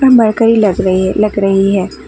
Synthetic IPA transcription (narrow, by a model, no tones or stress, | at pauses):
ɐmɐɾkəɾilɐɡɾlɐɡɾɐɦiɦɛː